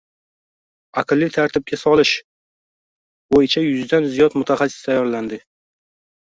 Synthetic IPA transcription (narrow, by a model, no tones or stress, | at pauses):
aqɨlˠːit̪ʰaɾt̪ʰɪb̚ɡʲasɒlɪʃ | bojɪt͡ʃʰajʊzd̪anzijɒt̪mʊt̪ʰaχasːɪ̥st̪ʰajːɒɾland̪ɪ